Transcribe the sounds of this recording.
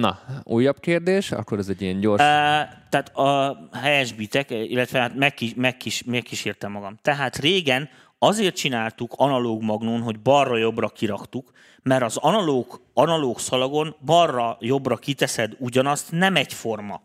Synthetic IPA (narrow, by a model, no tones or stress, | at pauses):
nɒ̰uːjːɒbkeːrd̪eːʃɒ̰kːoɾɛzɛɟijɛɲɟo̞rt̪ɛaːt̪ɒɦɛjɛʒbit̪ɛkḭlːɛt̪ʋɛɦaːt̪mɛkːimɛkːiʃmɛkːiʃeːrt̪ɛmːɒɡɒmt̪ɛɦaːt̪reːɡɛn | ɒzeːrt̪̚t͡ʃinaːlt̪ukʰɒnɒloːɡmɒɡnoːnɦo̞ɟbɒrːɒjo̞brɒkiɾɒkt̪uk | mɛɾɒzɒnɒloːɡɒnɒloːksɒlɒɡo̞nbɒrːɒjo̞brɒkit̪ɛsɛd̪uɟɒnɒst̪nɛmɛcfo̞rmɒ